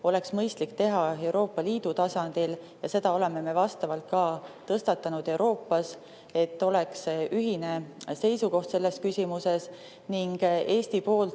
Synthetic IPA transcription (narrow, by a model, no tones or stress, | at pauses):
o̞le̞ksmɤjst̪likt̪e̞ɦɑe̞wɾo̞ːpˑːɑliːd̪̥ut̪ɑsɑnd̪̥il | jɑse̞d̪̥ɑo̞le̞me̞me̞vɑst̪ɑvɑlt̪̚kɑːt̪ɤst̪ɑt̪ːˑɑnud̪̥e̞wɾo̞ːpːˑɑs | e̞t̪ːo̞le̞ksyɦine̞se̞jsuko̞ht̪se̞lːe̞skysʲimuse̞s | niŋɡ̥e̞ːst̪ipo̞ːl